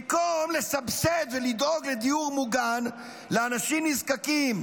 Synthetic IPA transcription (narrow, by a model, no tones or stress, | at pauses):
komlesabset̪velid̪oɡled̪ijuʁmuɡan | leanaʃimnizkakim